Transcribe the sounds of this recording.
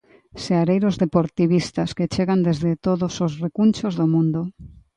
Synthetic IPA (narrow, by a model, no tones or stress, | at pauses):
seaɾejɾozðepoɾt̪iβ̞ist̪asket͡ʃeɣand̪ezðet̪oðosozrekunt͡ʃozðomũnd̪o